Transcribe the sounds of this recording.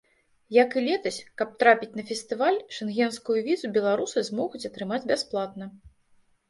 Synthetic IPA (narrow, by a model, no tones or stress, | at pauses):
jakɨlʲɛt̪ɐsʲkɐp̚t̪ɾapʲit͡sʲnɐfʲɛst̪ɨvalʲʂɨnɣʲɛnskujuvʲizubʲɛlˠaɾusɨzmɔɣut͡sʲɐt̪ɾɨmad͡zʲbʲasplˠat̪̚nɐ